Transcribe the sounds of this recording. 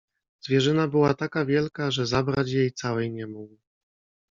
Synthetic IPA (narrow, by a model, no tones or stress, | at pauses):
zvʲjɛʐɘnabɘwat̪akavʲjɛlkaʐɛzabɾat͡ɕjejt̪sawɛjɲɛmuɡ